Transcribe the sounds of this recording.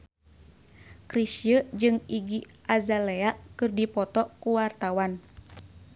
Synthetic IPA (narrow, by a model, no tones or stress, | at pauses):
kɾisjəd͡ʒɨŋiɡiʔazaleaʔkɨrdipɔt̪ɔkuwart̪awan